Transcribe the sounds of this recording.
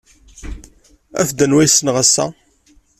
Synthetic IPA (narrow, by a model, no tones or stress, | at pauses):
æ̰fd̪ənwæjsːənʁasːæ̰